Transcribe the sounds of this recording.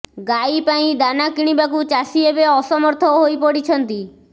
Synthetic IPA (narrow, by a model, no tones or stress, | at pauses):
ɡajpaĩd̪anakiɽ̃ibakut͡ʃasiebeɔsɔmɔɾt̪ʰɔɦojpɔɽit͡ʃʰɔnt̪i